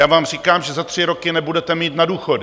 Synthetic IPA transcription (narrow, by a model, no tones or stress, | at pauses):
jaːvaːmriːkaːmʒɛzat̪r̥ɪɾo̞kɪnɛbudɛt̪ɛmiːtt̪naduːxod